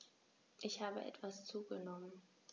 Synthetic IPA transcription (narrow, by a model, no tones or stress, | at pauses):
ʔɪçhaːbə̰ʔɛ̰tv̥ast͡suːɡənɔmən